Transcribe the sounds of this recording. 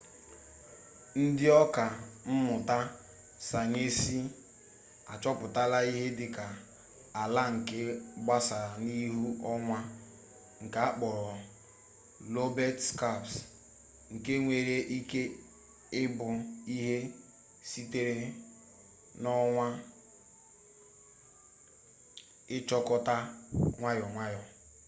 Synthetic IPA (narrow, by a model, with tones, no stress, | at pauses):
n̩˦dɪ˦ɔ˦ka˨m̩˦mʊ˨ta˦ | sa˨ɲe˦si˦ | a̰˨t͡ʃɔ˦pʊ˨ta˦la˦i˦ɦe˦dɪ˨ka˨ | a˨la˦ŋ̩˨ke˦ɡ͡ba˦sa˨ni˦ɦu˦ʔɔ˦ŋʷa˦ | ŋ̩˨ka˨a˦k͡pɔ˨ɾɔ˨ | lo˦bɛ˦tska˦˨ps | ŋ̩˨ke˦ŋʷe˨ɾe˦ʔi˦ke˦ | ɪ˦bʊ˨i˦ɦe˦ | si˦te˦ɾe˦ | nɔ˦ŋʷa˦ | ɪ˦t͡ʃɔ˦kɔ˦ta˦ŋʷa˦jɔ˨ŋʷa˦jɔ˨